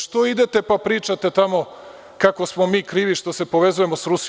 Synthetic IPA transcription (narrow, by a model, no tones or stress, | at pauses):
ʃt̪o̞id̪et̪e̞papɾiːt͡ʃat̪et̪amo̞ | kako̞smo̞miːkɾiːʋiʃt̪o̞sepoʋe̞zuje̞mo̞sɾus